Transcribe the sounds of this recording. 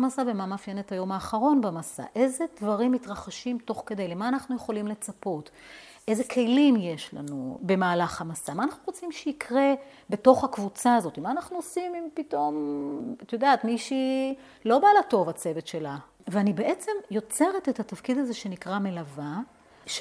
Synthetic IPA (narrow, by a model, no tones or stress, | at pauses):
masavemamafjenet̪hajo̞maːχaʁo̞nbamasa̰ʔe̞zed̪vaʁimːit̪ʁaχaʃimto̞χke̞d̪ajlemaːnaχnuje̞χo̞limle̞t͡sapo̞tʔezekʰe̞jlimje̞ʃla̰nube̞maːlaχhamasamaːnaχnuʁot͡simʃeikʰʁe̞ | be̞to̞χhakvut͡saːzo̞t̪imaːnaχnuosimimpito̞mat̪jodaːt̪miʃi | lo̞balato̞vat͡se̞ve̞tʃe̞la | veanibe̞ʔe̞t͡se̞mjo̞t͡se̞ʁet̪et̪hat̪afkid̪aze̞ʃe̞nikʁame̞lava | ʃ